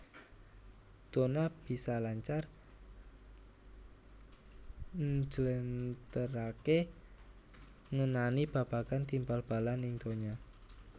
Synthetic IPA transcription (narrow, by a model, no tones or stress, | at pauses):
d̪̥onab̥i̤salaɲt͡ʃar | d͡ʒələnt̪əɾake | ŋənanib̥a̤b̥a̤ɡ̥a̤nt̪impalb̥a̤laniŋt̪oɲa